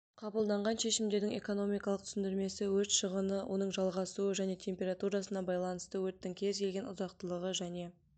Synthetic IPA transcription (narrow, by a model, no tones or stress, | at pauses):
qʰɑbəlˠd̪ɑɴʁɑnʃe̞ʃɪmd̪e̞ɾd̪ɪŋe̞ko̞no̞mijkɑlˠəqt̪ʰʏ̥sɪnd̪ɪɾme̞sɪwɵɾt̪ʃəʁənəwʔo̞̰nəɴʒɑlˠʁɑsuəʒæne̞t̪ʲʰe̞mpʲe̞ɾat̪uɾɑsənɑbɑjlˠɑnəst̪əwɵt̪ːɪŋkʲʰe̞zkʲelɡʲe̞nʊ̰zɑq̚t̪əlˠəʁəʒæne̞